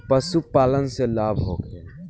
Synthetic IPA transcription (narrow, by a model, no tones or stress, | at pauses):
pəsupaːlənselaːbʱɦo̰ːke